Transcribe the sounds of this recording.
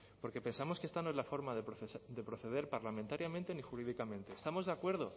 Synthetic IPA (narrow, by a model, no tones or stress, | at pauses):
po̞ɾke̞pe̞nsamo̞skeest̪ano̞e̞zlafo̞ɾmaðed̪epɾo̞θe̞ð̞e̞ɾpaɾlamẽnt̪aɾjamẽ̞nt̪e̞nixuɾiðikamẽ̞nt̪e̞ːst̪amo̞zðakwe̞ɾðo̞